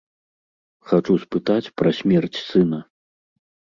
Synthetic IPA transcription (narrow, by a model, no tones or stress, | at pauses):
xat͡ʂuspɨt̪at͡sʲpɾɐsʲmʲɛrt͡sʲsɨnɐ